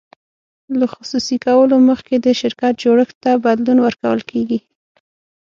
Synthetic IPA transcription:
laxʊsusikawəloməxked̪əʃɪɾkat̪̚d͡ʒoɽəxt̪ːabad̪lunwəɾkawə̰lkʰeɡi

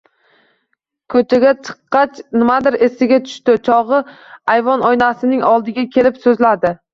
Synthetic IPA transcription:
kʰɵt͡ʃʰaɡʲat͡ʃʰɨ̥qːɑt͡ʃnɪmad̪ɪɾesɪɡʲat̪ʰʊ̥ʃt̪ɪt͡ʃʰɒʁɨajvɒnɒjnasɪnɪŋɒlˠd̪ɪɡʲakʲʰe̞lɪpsɵzlad̪ɪ

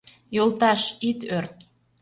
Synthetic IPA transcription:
jolˠt̪ɑʃit̪ørt̪

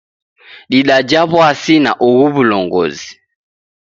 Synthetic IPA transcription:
ɗiɗad͡ʒaβwasina̰ʔɔɣuβulɔŋɡɔ̰zi̥

